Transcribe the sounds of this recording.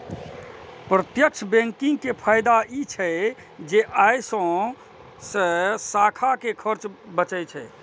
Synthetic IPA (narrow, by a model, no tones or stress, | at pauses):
pɾət̪jəkt͡ʃʰbẽŋkĩŋɡ̚kepʰaɪd̪ait͡ʃʰɛ | d͡ʒeʔajsə̃ | sə̃sakʰakekʰəɾt͡ʃbət͡ʃəjt͡ʃʰɛ